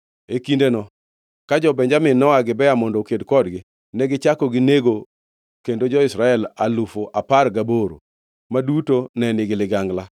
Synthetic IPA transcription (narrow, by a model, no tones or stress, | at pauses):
ekindenɔ | kad͡ʒɔbɛɲd͡ʒamɪnɔaɡɪbɛamɔndɔkedkɔdɡɪ | nɛɡɪt͡ʃakɔɡɪneɡo | kendod͡ʒɔɪsɾaɛlalufoʔaparɡaboɾo̰ | madutonɛnɪɡɪlɪɡaŋɡla